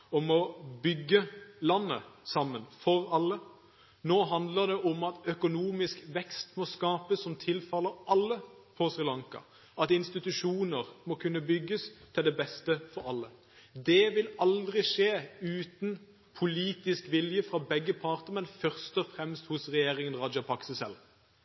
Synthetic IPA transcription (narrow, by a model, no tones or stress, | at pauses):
ɔmɔbʏɡːəlɑnːə̰sɑmːənfɔʁɑlːə | noːɦɑnd̪ləʁd̪ɛʔɔmɑt̪œkʊnuːmɪskʋɛkst̪mɔskɑːpəsːɔmt̪ʰɪlfɑləʔɑlːə | pʰɔsʁɪlɑŋkɑ̰ | ɑt̪ɪnst̪ɪt̪ʉʂuːnəʁmɔkʰʉnːəbʏɡːəst̪ʰɪld̪ɛbɛst̪əfɔɾɑlːə | d̪ɛʋɪlɑld̪ʁɪʂeːʉːt̪n | pʰʊliːt̪ɪskʋɪljəfʁɑbɛɡːəpʰɑʁt̪əmɛnfœʁst̪ɔfʁɛmst̪hʊsʁɛjeːʁɪŋənʁɑd͡ʒɑpʰɑksəsɛ̰l